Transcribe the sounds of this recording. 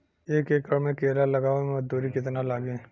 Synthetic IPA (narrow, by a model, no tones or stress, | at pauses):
eːkeːkəɾmẽkeːlalɐɡaːʋemɐd͡ʒd̪uːɾikɪt̪nalaːɡẽː